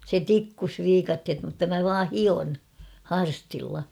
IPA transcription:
se tikːus ʋiːkɑthet mutːɑ mæ ʋɑː hion hɑrstilːɑ

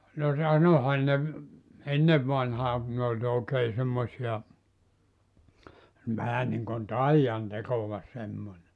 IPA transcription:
no sɑnohɑn ne ʋ enːeʋ ʋɑnhɑː kun ne olʲ oˑekeː semːosiɑ ʋæhæ niŋkon tɑijɑn tekoʋɑ semːonʲe

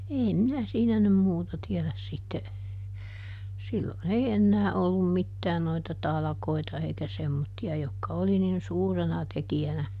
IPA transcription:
eːm minæ siːnæ nym muːtɑ tiɛlæs sitːe silːon ei enːæː olːum mitːæː noitɑ tɑlɑ̆koitɑ eikæ semːotːiɑ jokːɑ oli nin suːrenɑ tekiænæ

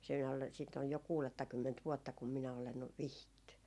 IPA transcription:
siːn ol siːt oj jo kuːletːɑkymːent ʋuotːɑ kum minæ olen ʋihitːy

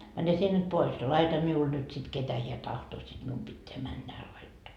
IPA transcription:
mæne sie nyt pois jɑ lɑitɑ miul nyt sit ketæ hiæ tɑhtoː sid̥ mium b̥itːeæ mænːæ hæː lɑitːoː

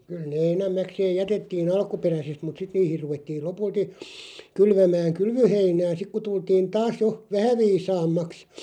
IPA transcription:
kyl ne enæmːækseːj̆ jætetːiːn ɑlkuperæsest mut sit niːhir ruʋetːiːl lopulti kylʋæmæːŋ kylʋøheinæː sik ku tultiːn tɑːs jo ʋæhæ ʋiːsɑːmːɑks

